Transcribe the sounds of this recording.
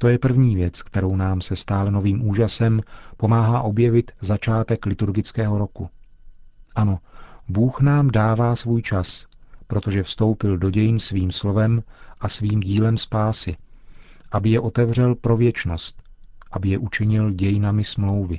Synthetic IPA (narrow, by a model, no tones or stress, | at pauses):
t̪o̞jɛpr̩vɲiːvjɛt͡skt̪ɛɾo̞wnaːmsɛst̪aːlɛno̞viːmʔuːʒasɛmpo̞maːɦaːʔo̞bjɛvɪt̪zat͡ʃaːt̪ɛklɪt̪uɾɡɪt͡skɛːɦo̞ɾo̞ku | ʔano̞buːxnaːmdaːvaːsvuːjt͡ʃaspɾo̞t̪o̞ʒɛfst̪o̞wpɪldo̞ɟɛjɪnsviːmslo̞vɛmʔasviːmɟiːlɛmspaːsɪ | ʔabɪjɛʔo̞t̪ɛvr̝ɛlpɾo̞vjɛt͡ʃno̞st̪̚ʔabɪjɛʔut͡ʃɪɲɪlɟɛjɪnamɪsmlo̞wvɪ